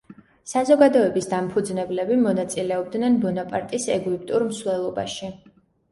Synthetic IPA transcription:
sazɔɡad̪ɔɛbisd̪ampʰud̪znɛblɛbimɔnat̪sʼilɛɔb̚d̪nɛnbɔnapʼaɾt̪ʼisɛɡip̚ʰʼt̪ʼuɾmsvlɛlˠɔba̰ʃi

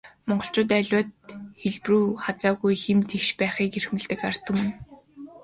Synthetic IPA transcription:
mɔɴɢɞ̆ɬt͡ɕʊ̆t̪̬æɮʲwat̪xeɮpruːχat͡saːɣujxemt̪ʰekʃpæːχiːkerxmɘ̆ɮt̪ɘ̆kar̥t̪ŭm̆n

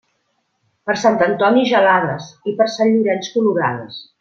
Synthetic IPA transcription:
pəɾsant̪ənt̪ɔniʒəlaðəsipəɾsanʎuɾɛnskuluɾa̰ðə̰s

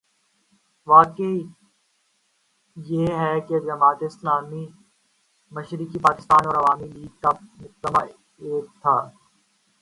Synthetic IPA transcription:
ʋaːkei | jeːɦɛked͡ʒɐmaːt̪eɪslaːmi | məʃɾikipaːkɪ̥st̪aːnɔːɾɐʋaːmiliːɡ̚kamʊk̚d̪əma | eːk̚t̪ʰaː

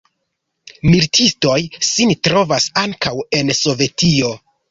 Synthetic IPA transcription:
miɾtʰisto̞jsintɾo̞vasaŋkawe̞nso̞ve̞tio̞

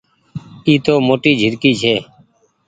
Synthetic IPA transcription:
iːt̪oːmoːʈiːd͡ʒʱɪɾkiːt͡ʃʰeː

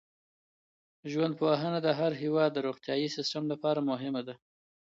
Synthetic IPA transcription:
ʒwand̪̚powaɦənad̪əɦaɾɦɪwɑd̪ːəɾoxt̪jɑjisɪsʈamlapɑɾamʊɦɪmad̪a

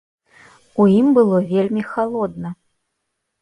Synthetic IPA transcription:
ujimbɨlˠɔvʲelʲmʲixalˠɔd̪̚nɐ

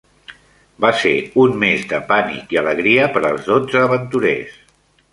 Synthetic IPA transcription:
basḛunmezd̪əpanḭkiələɣɾiəpəɾəlˠzðod͡zəːβənt̪uɾḛs

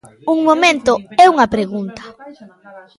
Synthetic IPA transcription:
uŋmomẽnt̪ʊɛuŋɐpɾeɣunt̪ḁ

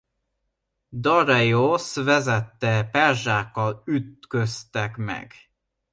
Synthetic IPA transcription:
d̪ɒɾɛjosvɛzɛt̪ːɛpɛrʒaːkːɒlyt̪køst̪ɛkmɛ̰ɡ̥

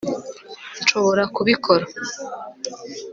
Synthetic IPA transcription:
nt͡ʃo̞βo̞ɾakuβikʰo̞ɾa

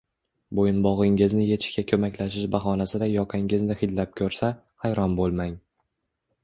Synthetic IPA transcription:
bojɪnbɒʁɪŋɪznɪje̞t̪ʰɪʃkʲakʲʰɵmakʲlaʃ̬ɪʃbaɦɒnasɪd̪ajɒqʰɪŋɪznɪhɪd̪lap̚kʲʰɵɾsa | hajɾɒnbolˠmaŋ

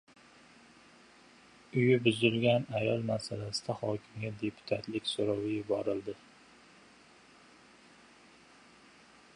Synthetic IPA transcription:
ʊjɪbɪzɪlɡʲanajɒlˠmasalasɪd̪ahɒkʲʰɪmɡʲad̪e̞pʰʊ̥t̪ʰat̪lɪkʲsʊɾɒwɪjɪbɒɾɪlˠd̪ɪ

